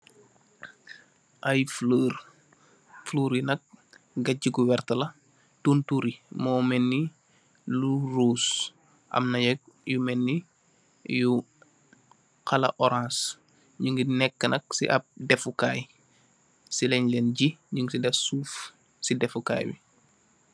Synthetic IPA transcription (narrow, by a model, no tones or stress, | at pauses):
ʔɐjfləːɾ | fluːɾinɐk̚ | ɡɐɟiɡuwɛrtɐlɐ | tuntuɾimɔːmɛnːi | luruːs | ʔɐ̰mnɐjɐk̚jumɛnːi | ju | kɐlɐ̰ʔɔɾãns | ɲuŋɡinɛkːənɐk̚sḭʔɐ̰p̚dɛfukaːj | silɛɲlɛːnɟiɲuŋɡsidɛfsuːf | sidɛfuka̰ːjbḭ